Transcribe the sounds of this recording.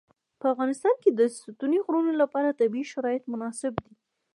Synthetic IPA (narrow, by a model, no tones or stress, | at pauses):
pəafɣɑnɪst̪ɑnked̪əsʊt̪uniɣɾunolapɑɾat̪abiiʃaɾɑjɪt̪mʊnɑsɪbd̪i